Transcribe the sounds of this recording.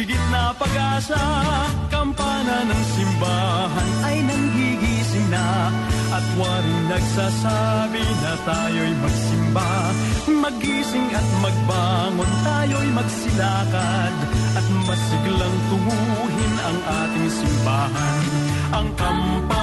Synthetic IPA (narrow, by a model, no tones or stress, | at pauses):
ɪɡɪt̪̚nɐpɐɡaːsa | kɐmpaːnɐnɐŋsɪmbaː | ɦɐnʔɐjnɐŋɡiɡiːsɪŋnɐ | ʔɐt̪waːɾɪnɐɡsasa | bɪnɐt̪aːjojmɐɡ̚sɪmba | mɐɡiːsɪŋɐt̪̚mɐɡ̚baːŋont̪aːjojmɐɡsɪnaːkɐd̪ʔɐt̪mɐsɪɡlɐŋt̪ʊmu | ɦɪnɐŋʔaːt̪ɪŋsɪmbaːɦɐn | ʔɐŋkɐm | pa